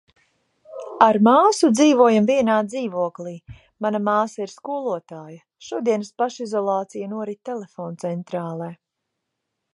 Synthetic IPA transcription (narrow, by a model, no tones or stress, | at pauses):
aɾmaːsud̪ziːvuɔjamviɛnaːd̪ziːvuɔklˠiː | manamaːsaiɾskuɔlˠuɔt̪aːjɐ | ʃuɔd̪iɛnəspaʃizɔlˠɑːt̪sijanuɔɾit̪t̪ːɛlɛfɔːnt̪sɛnt̪ɾaːlˠɛː